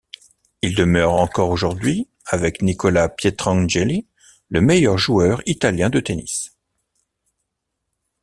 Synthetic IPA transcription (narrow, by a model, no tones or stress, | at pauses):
ild̪əmœʁɑ̃kɔʁoʒuʁd̪ɥi | avɛknikɔlapjet̪χɑ̃ʒeli | ləmɛjœʁʒuœʁit̪aljɛ̃d̪ət̪enḭs